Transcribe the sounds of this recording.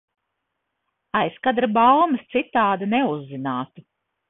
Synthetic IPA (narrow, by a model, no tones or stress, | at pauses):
ajskad̪ɾabalˠmɨst̪sit̪ːaːd̪aneuzːinaːt̪u